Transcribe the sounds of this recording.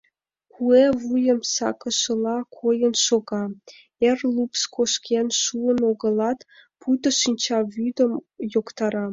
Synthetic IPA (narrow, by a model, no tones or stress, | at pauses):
kʰuevujə̆msɑ̰kɤ̆ʃɤ̆lˠɑkʰojə̆nʃoɡɑ | erʲlˠupskʰoʃkʲʰenʃuənoɡɤ̆lˠɑt̪pʰut̪ə̆ʃinʲt͡ɕɑvyd̪ə̆mjokt̪ɑɾɑ